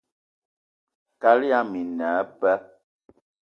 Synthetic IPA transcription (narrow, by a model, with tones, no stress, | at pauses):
ka˦li˦a˦mi˨na˨˦pɛ˦